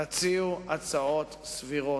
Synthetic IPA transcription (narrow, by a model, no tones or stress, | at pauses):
at͡siuat͡saot̪sviʁo